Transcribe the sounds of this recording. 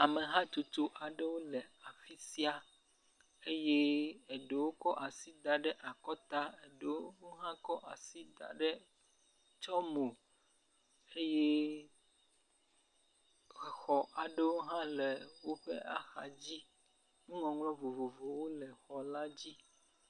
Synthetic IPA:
a˨me˨ɦã˦t̪o˨t̪o˦ʔa˨ɖe˦wo˦lɛ˨a˨fi˦si˦a˨ | e˦je˦e˨ɖe˨wo˦kɔ˦ʔa˨si˦d̪a˨ɖɛ˦ʔa˨kɔ˦t̪a˦e˨ɖe˨wo˦wo˦ɦã˦kɔ˦ʔa˨si˦d̪a̰˨ɖe˦ | t͡ʃɔ˦mo˨ | e˦je˦˨ | xɔ˨ʔa˨ɖe˦wo˦ɦã˦le˨wo˦ɸe˦ʔa̰˨xa̰˨d͡ʑi˦ | nũ˦ŋɔ̃˨ŋlɔ̃˦vo˨vo˨vo˨wo˦lɛ˨xɔ˨la˦d͡ʑi˦

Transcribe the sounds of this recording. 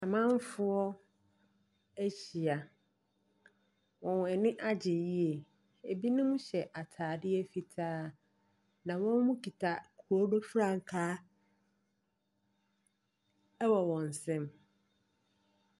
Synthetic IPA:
a˨mã˦m˦fʊ˦ɔ˦ | æ˦ɕi˨a˨ | wɔ̃˨n˨ɛ˨nɪ̃˦ʔa˦d͡ʑɪ˨ji˦e˨ | e˨bi˦nʊ̃˦mũ˦ɕɛ˨ʔa˨tʰaː˨dɪ˦ɛ˦fi˨tʰaː˦ | nã˨wɔ̃˦n˦hũ˦kʰi˨tʰa˨kʰu˨ɔ˦do˦fɾã˦˨ŋ˨kʰaː˦ | wɔ˨wɔ̃˨n˨sɛ̃˦m

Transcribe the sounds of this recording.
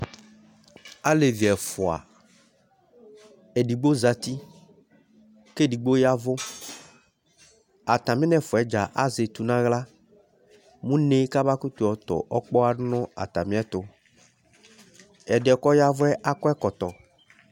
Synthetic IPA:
a˦le˨vi˨ɛ˨fʊ˨a̰˨ | e˨ɖi˨ɡ͡bo˦za˨t̪i˦ | ke˦di˨ɡ͡bo˦ja˦vʊ˦ | a˨t̪ã˨mĩ˦nɛ̃˨fʊ˨ɛ˦d͡ʒa˨ʔa˦ze˨t̪u˨nã˦ɣla˦ | mũ˦nẽ˦ka˦ba˦ku˦t̪u˨ɔ˨t̪ɔ̰˨ʔɔ˦k͡pɔ˦a˨˦nɔ̃˦a̰˨t̪a˨mĩ˦ɛ˦t̪ʊ˦ | ɛ˨ɖɛ˨kɔ˦ja˦vʊ˦ɛ˦ʔa˦kɔ˦ɛ˦kɔ˨t̪ɔ˨

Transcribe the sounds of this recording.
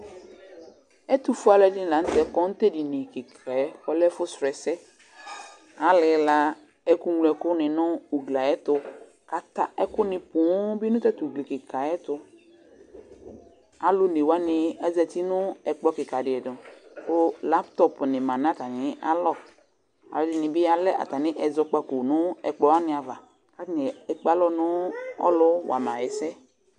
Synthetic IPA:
ɛ˦t̪u˨fʊ˦a˨lɛ˨˦dɪ˦n˨la˨n̩˦t̪ɛ˨kɔ˦ŋ̩˦t̪ɛ˦di˨nɪ̃˨kɪ˨kʰɛ˨˦kɔ˦lɛ˦fʊ˦sɾɛ˨sɛ˦ | a˦lɪ˨la˦ | ɛ˦ku˦ŋlɛ˨kʊ˦nɪ̃˨nʊ̃˦u˨ɡla˨ɛ˦t̪ʊ˦ | ka˨t̪a˦ʔɛ˦kʊ˦nɪ̃˨pʊ̃˨˦bi˦nʊ̃˦t̪ɛ˦t̪u˨ɡle˨kɪ˨ka˨ɛ˦t̪ʊ˦ | a˨lʊ˦ne˨wa˦nɪ˧a˦zɛ˧˨ti˦nʊ̃˦ɛ˨k͡pɔ˦kɪ˨ka˨dɪ˨ɛ˨dʊ̃˨kʊ˦la˦pt̪ɔ˦pnɪ̃˨mã˨n˦ã˦t̪a˨nɪ̃˨˦a̰˦lɔ˦˨ | a̰˨lɔ˨˦dɪ˨nɪ̃˨bɪ˦a˨lɛ˦ʔa̰˨t̪a˨nɪ̃˦ʔɛ˨zɔ˧k͡pa˦ko˨nʊ̃˦ɛ̰˨k͡pɔ˨wa˦nɪ̃˦a˨va˨ | ka˦nɛ˨ɛ˨k͡pa˨˦lɔ˦nʊ̃˦ɔ̰˦lʊ˦wa̰˨mã˨ɛ˨sɛ˦

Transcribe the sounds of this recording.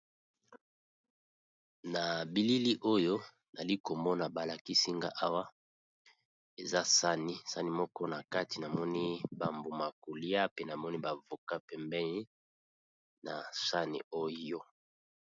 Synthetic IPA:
na˨bi˨li˦li˦ʔo˦jo˦ | na˨li˦ko˨mbɔ˦na˨ba˨la˨ki˦si˦ŋɡa̰˦ʔa˦wa˦ | e˨za˦sa˦ni˦sa˦ni˦mɔ˦kɔ˦na˨ka˦ti˨na˨mɔ˦ni˦ba˨mbo˨ma˨ko˨li˦a˦pe˦na˨mɔ˦ni˦ba˨vo˨ka˦pɛ˨mbɛ˦ni˦ | na˨sa˦nḭ˨o˦jo˦

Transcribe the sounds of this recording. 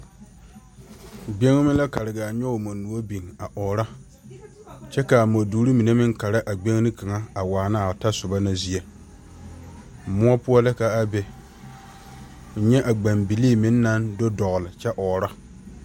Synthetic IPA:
ɡ͡be˦ŋ˦mɪ̃˦la˦ka˨ɾɪ˨ɡaː˨ɲɔ˦o˨mo˨nu˨o˦bi˨ŋa˨ʔɔː˨ɾa˦ | t͡ʃɛ˦ka˨mo˨duː˨˦ɾi˦mi˨ne˦mɪ˦ŋka˨ɾa˦ʔa˨ɡ͡be˦ŋ˦nɪ˦ka˨ŋa˦a˨waː˨na˦˨ta˦sʊ˨ba˦na˦zi˦e˨ | mʊ˦ɔ˦pʊ˦ɔ˦lɪ˦ka˨a˦bɛ˨ | ɲɛ˦ʔa˨ɡ͡ba˨mbi˨liː˦˨mɪ̃˨˦nː˦a˦ndo˦dɔ˨ɣʊ˨lɪ˨t͡ʃɛ˦ʔɔː˨ɾa˦

